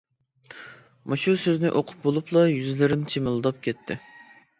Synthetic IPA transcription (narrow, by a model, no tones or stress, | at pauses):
mɑʃusøznɪʔoqʰʊ̥p̚bolˠuplˠɑjyzlɪɾɪnt͡ʃʰimɨlˠd̪ɑp̚kʲʰɛt̪ʰːɪ̰